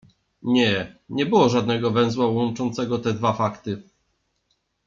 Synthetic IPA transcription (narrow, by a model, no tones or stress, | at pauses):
ɲɛɲɛbɘwɔʐad̪̚nɛɡɔvɛ̃w̃zwawɔnt͡ʂɔnt̪sɛɡɔt̪ɛd̪vafakt̪ɘ